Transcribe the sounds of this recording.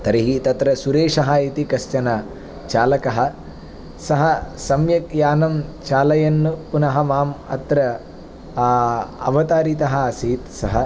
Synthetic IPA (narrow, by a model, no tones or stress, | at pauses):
t̪ɐɾiɦit̪ɐt̪ɾɐsuɾeːʂɐɦɐit̪ikɐst͡ʃɐnɐ | t͡ʃaːlɐkɐɦɐ̆ | sɐɦɐsɐmjɐkjaːnɐmt͡ʃaːlɐjɐnːupunɐɦɐmaːmɐ̰t̪ɾɐ | ɐ̰ʋɐt̪aːɾit̪ɐɦɐɐsiːt̪sɐɦɐ